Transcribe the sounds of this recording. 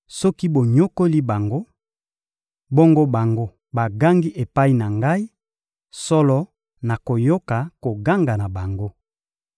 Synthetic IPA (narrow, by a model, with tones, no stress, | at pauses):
sɔ˦ki˦bo˨ɲo˦ko˦li˦ba˨ŋɡo˦ | bɔ˦ŋɡo˦ba˨ŋɡo˦ | ba˨ɡa˦ŋɡi˦ʔe˨pa˦i˦na˨ŋɡa˦i˦ | sɔ˦lɔ˦ | na˨ko˨jo˦ka˨ko˨ɡa˦ŋɡa˨na˨ba˨ŋɡo˦